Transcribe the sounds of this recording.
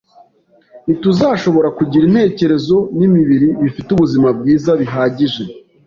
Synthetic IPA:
nituzaʃo̞βo̞ɾakuɟiɾin̥he̞ːce̞ɾe̞zo̞nimiβiɾiβifituβuzimab̚ɡiːzaβiɦaːɟiʒe̞

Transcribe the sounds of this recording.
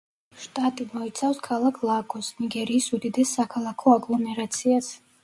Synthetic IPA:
ʃt̪ʼat̪ʼimɔit̪sʰafskʰalˠakʰlˠaɡʰʼɔsniɡɛɾiːsud̪id̪ɛsːakʰalˠakʰɔaɡlˠɔmɛɾat̪sʰias

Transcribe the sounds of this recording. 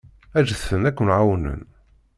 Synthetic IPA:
æʒəθənækʷːənʕawnə̰n

